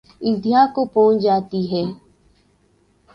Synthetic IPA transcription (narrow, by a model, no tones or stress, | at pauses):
ɪ̃d̪ijãkopõːt͡ʃd͡ʒaːt̪iɦɛː